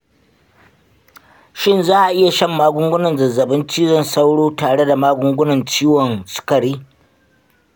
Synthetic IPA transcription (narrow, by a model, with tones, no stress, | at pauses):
ʃɪ˦nzaː˦ʔa˨ʔɪ˦ja˨ʃɐ˦mːaː˦ɡʷʊ˦ŋɡʷʊ˦nɐ˨nzɐ˨zːɐ˨bɪ˦nt͡ʃiː˦zɐ˦˨nsa˦wɽoː˦taː˨ɽe˦da˨maː˦ɡʷʊ˦ŋɡʷʊ˦nɐ˨nt͡ʃiː˦wɔ˨nsʊ̥˦kɐ˨ɽiː˦